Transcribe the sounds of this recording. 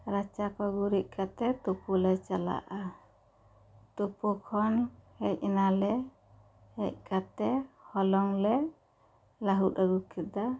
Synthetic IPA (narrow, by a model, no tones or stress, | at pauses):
ɾat͡ʃakɔɡuɾiʔ̚ˀkʰat̪ɛt̪upulɛt͡ʃala̰ʔa | t̪upukʰɔnhɛc̚ɛnalɛ | hɛ̰c̚kʰat̪ɛhɔlɔŋlɛ | laɦut̪aɡukɛd̪a